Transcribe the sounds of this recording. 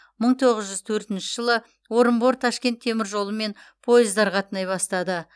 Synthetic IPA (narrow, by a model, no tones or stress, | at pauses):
məɴt̪ʰo̞ʁəzʒʏz̥t̪ʰɵɾt̪ɪnʃɪʒ̥əlˠə | woɾəmbo̞ɾt̪ʰɑʃkʲe̞nt̪ʰːemɪɾʒo̞lˠəme̞n | pʰo̞jɪzd̪ɑɾʁʰɑt̪ənɑjβɑst̪ɑd̪ə